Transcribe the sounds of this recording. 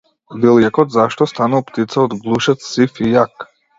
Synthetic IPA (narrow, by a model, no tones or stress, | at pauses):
vilˠjɛkɔt̪zaʃt̪ɔst̪anuvpt̪it̪saɔd̪ɡlˠuʃɛt̪sifijak